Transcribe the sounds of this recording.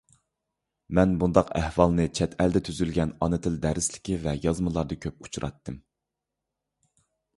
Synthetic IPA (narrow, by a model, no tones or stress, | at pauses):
mɛnbund̪ɑqæhwɑlˠnɨt͡ʃʰɛt̪ʰɛld̪ɛt̪ʰyzylɡʲɛnɑnɨt̪ʰɪld̪æɾɪslɪ̥kʲivɛjɑzmɨlˠɑɾd̪ɨkʲʰøp̚u̥t͡ʃʰuɾʔɑ̰t̪ːɨm